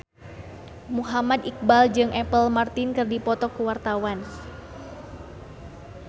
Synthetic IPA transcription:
muɦamad̪ik̚bald͡ʒɨŋʔɛpəlmart̪inkərdipɔt̪ɔkuwart̪awan

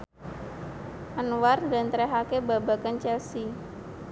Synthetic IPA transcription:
ʔanwarnda̤nt̪ɾɛɦakebabakant͡ʃɛlsi

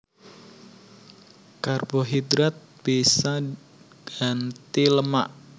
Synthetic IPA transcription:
karbɔɦid̪ɾat̪̚b̥isa | ɡ̥ant̪iləmaʔ

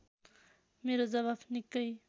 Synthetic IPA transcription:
meɾod͡zʌβabnikːʌj

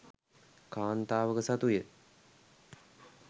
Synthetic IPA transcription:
kaːnt̪aːʋəkəsat̪ujə

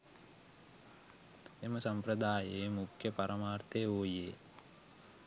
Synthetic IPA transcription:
eməsɐmpɾəd̪aːjeːmukʰjəpɐɾʔɐmaːrt̪eːoːjeː

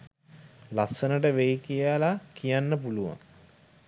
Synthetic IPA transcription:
lasːənəʈəʋejkijalakijanːəpuluʋa̰ŋ

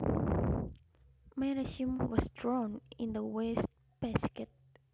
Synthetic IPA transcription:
maɹaʃĩmwɔsdɹɔ̃nĩnd̪əwɛst̚ | b̥ɛskɛt̪̚

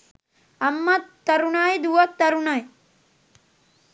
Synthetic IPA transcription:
ɐmːɐt̪ːɐɾunaːjd̪uʋɐt̪ːɐɾunaj

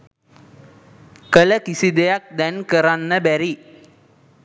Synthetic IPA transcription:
kələkisid̪ejak̚d̪ɛnkəɾanːəbæɾi

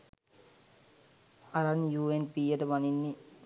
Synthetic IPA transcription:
aɾanjuːenpiːjəʈəʋaninːi

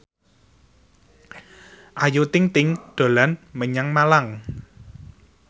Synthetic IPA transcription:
ʔajut̪ɪŋt̪ɪŋɖ̪̥o̤lanməɲaŋmalaŋ

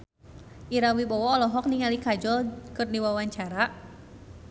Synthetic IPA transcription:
ʔiɾawibɔwɔːlɔɦɔk̚niŋalikad͡ʒɔlkɨrdiwawaɲt͡ʃaɾa

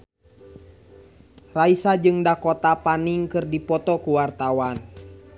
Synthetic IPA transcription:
raisad͡ʒɨŋdakɔt̪apaniŋkɨrdipɔt̪ɔkuwart̪awan

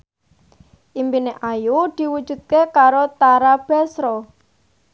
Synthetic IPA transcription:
ʔimpineʔajud̪̥i̤wud̥d͡ʒ̥ṳd̪̚kekaɾot̪aɾab̥a̤sɾɔ

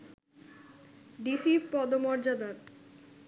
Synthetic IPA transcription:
ɖisipɔd̪omɔɾd͡ʑad̪aɾ

